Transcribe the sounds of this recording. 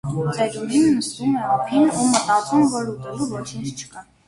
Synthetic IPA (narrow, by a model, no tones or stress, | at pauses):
t͡sɛɾuɾinːəst̪umɛɑpʰinumət̪ɑt͡sumvɔɾut̪ɛluvɔt͡ʃʰint͡sʰt͡ʃʰə̥kɑ